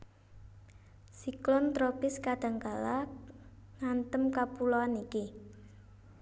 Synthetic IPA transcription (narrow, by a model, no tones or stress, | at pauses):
siklɔnt̪ɾopɪskaɖ̥ä̤ŋkala | nant̪əmkapuloaniki